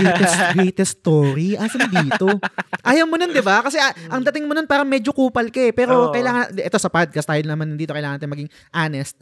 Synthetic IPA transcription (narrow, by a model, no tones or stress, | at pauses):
ɡɛjt̪ɛsɡɹɛjt̪ɛst̪oːɾiʔɐsɐnd̪iːt̪o̞ʔaːjɐmonond̪ɪbakɐsɛɐʔɐŋd̪ɐt̪ɪŋmononpaːɾɐŋmɛːd͡ʒo̞kuːpɐlkɐɛpɛːɾo̞kɐjlaːŋɐnʔɛt̪o̞sɐpad̪̚kɐst̪aːjɪlnɐmanɐnd̪iːt̪okɐjlaŋɐnɐt̪ɪnmɐɡɪŋ | ʔanɛst̪̚